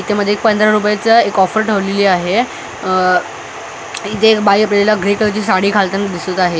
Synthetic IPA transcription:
it̪ʰeməd̪ʱːek̚pənd̪ɾaɾup̬jat͡səekɔfəɾʈʰəʋleliːaɦe | it̪ʰekbaiəpɾeljalaɡɾekəɾt͡ɕiːsaɽiːkʰalt̪ənd̪isət̪aɦe

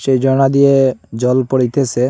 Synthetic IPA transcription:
ʃejd͡ʒɔɽ̃ad̪ijed͡ʑɔlpoɽit̪ese

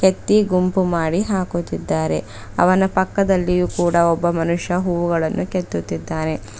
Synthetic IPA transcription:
ket̪ːiɡumpumaːɽiɦaːkut̪id̪ːaːɾe̞̰ | ɐ̰ʋɐnɐpɐkːɐd̪ɐlːijuːkuːɽɐɔbːɐmɐnuʂjɐɦuːʋuɡɐɭɐnːuket̪ːut̪ːid̪ːaːɾe̞

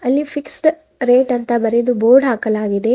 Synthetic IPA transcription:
ɐlːipʰiksʈ | ɾeːʈɐnt̪ɐbɐɾed̪uboːɾɖɦaːkɐlaːɡid̪e̞

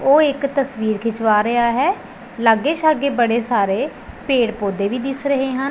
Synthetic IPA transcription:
oːɪkt̪əsʋiːɾkʰɪt͡ʃʋaːɾɪaːɦɛː | ləɡeːt͡ʃaɡeːbəɽeːsaːɾeː | peːɽpoːd̪eːʋiːd̪ɪsɾəɦeːɦən

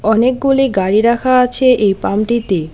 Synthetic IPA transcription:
ɔnek̚ɡuliɡaɽiɾakʰaat͡ɕʰeʔejpamʈit̪e

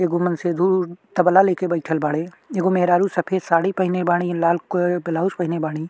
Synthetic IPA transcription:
eːɡomənseːd̪ʱut̪ɐbəlaleːkebɐɪʈʰəlbaːɽe | eːɡomeɦɾaːɾusɐpʰeːsaːɽipɐɦɪnebaːɽ̃ilaːlkobɪlaːuspɐɦnebaːɽ̃iː

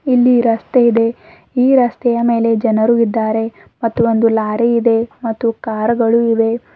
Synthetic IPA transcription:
ilːiɾɐst̪eid̪e̞ | iːɾɐst̪ɛjɐme̞ːle̞d͡ʒɐnɐɾuid̪ːaːɾe̞ | mɐt̪ːuond̪ulaːɾiid̪e̞mɐt̪ːukaːɾɡɐɭuiʋe̞

